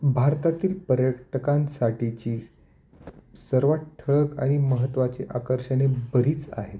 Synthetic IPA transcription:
bʱaɾt̪at̪iːlpəɾjəkʈʰəkãnsaʈit͡ɕiː | səɾʋaʈ̚ʈ̪ʰəɭəka̰ɽ̃iməɦət̪ːʋat͡seʔakəɾɕəɽ̃ebəɾiːt͡sa̰ɦet̪

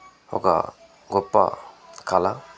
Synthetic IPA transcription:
hɔ̰ka̰ | ɡɔpːa̰kʰala

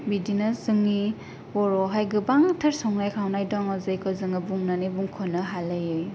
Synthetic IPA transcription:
bidinɯzɯŋni | wɔɾɔɦajɡɯbaŋtʰaɾsɔŋnajkʰawnajdɔŋɯzɯjkʰɯzɯŋɯbuŋnanibuŋkʰɔnɯɦalɯjɯj

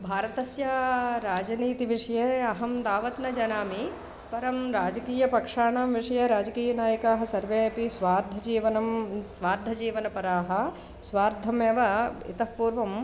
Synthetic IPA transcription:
bʱaːɾɐt̪ɐsjɐɾaːd͡ʒɐniːt̪iʋiʂɐjeːɐɦɐmd̪aːʋɐt̪nɐd͡ʒɐnaːmi | pɐɾɐmɾaːd͡ʒɐkiːjɐpɐkʂaːɳaːmʋiʂɐjɐɾaːd͡ʒɐkiːjɐnaːjɐkaːɦɐsɐɾʋeːɐpisʋaːɾd̪ʱɐd͡ʒiːʋɐnɐmsʋaːɾd̪ʱːɐd͡ʒiːʋɐnɐpɐɾaːɦɐ̆ | sʋaːɾd̪ʱɐmeːʋɐḭt̪ɐpuːɾʋɐm

